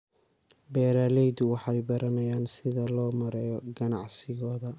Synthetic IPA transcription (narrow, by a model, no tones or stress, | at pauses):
bɛːɾaːlɛjd̪ʊwɑħɑjbɐɾɐnɐjaːnsɪðɐlɔːmɐɾɛjɔɡɐnɑʕsɪɣɔːðɐ